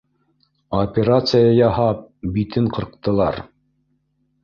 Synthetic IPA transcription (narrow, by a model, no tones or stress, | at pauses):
opʲeɾat̪sɨjɑjɑɦɑp̚bit̪ɘɴqɤ̆ɾq̚t̪ɤ̆lˠɑɾ